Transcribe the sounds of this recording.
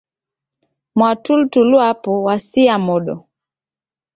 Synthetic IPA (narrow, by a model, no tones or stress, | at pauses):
mwatultuluapɔwasiamɔɗɔ̰